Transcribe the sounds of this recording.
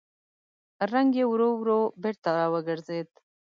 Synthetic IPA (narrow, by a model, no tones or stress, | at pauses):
ɾaŋɡewɾowɾobeɾt̪aɾɑwəɡəɾzed̪